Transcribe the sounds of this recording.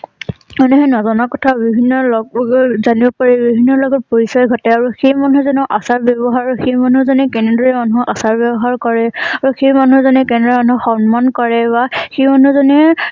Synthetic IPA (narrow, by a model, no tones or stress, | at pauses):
ɔnɛɦɛnɔzɔnakɔtʰabibʱinːɔlɔɡzanibɔpaɹɛbibʱinːɔlɔɡɔtpoɹisɔjɡʱɔtɛaɹuxejmanuɦzɔnɛʔasaɹbjɔbɔɦaxejmanuɹzɔnɛkɛnɛndɛmanuʔasaɹbjɔbɔɦaɹkɔɹɛaɹuxejmanuɹzɔnɛkɛndɛmanuuxɔnmankɔɹɛbaxejmanuzɔnɛ